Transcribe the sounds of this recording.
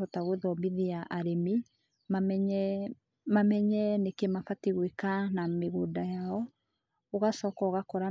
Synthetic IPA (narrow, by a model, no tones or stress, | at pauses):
ɔtaɣoðɔmiðiaʔaɾeme | mamɲɛ | mamɛɲɛnekemafatiɣwekanameɣodajaɔ | oɣasɔːkɔɣakɔɾa